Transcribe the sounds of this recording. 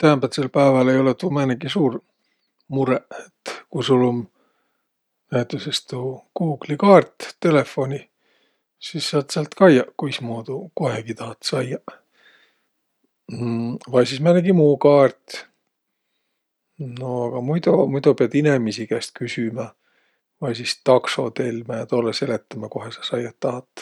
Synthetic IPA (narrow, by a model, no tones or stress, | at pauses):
t̪æːmbæt̪selpæːvɑlejo̞let̪uːmæːneɡisuːr | muɾeʔet̪ːkusulom | næhet̪ˑːusest̪ukuːɡ̥likɑːrt̪ːe̞le̞fːo̞nʲi | sisːɑt̪seɑlt̪kɑjɑʔkujsmoːd̪ukoheɡ̥it̪ɑhɑt̪sɑjɑʔ | vɑjsismæneɡimuːkɑːrt̪ | noɑɡ̥ɑmujd̪̥omujd̪opeɑd̪̥inemisikæst̪̚kysymɑ | vɑjsist̪ɑkso̞̰t̪e̞lmæjɑt̪olːese̞let̪ːˑɑmɑko̞ɦhesɑ̥sɑjɑt̪ːɑhɑt̪ːˑ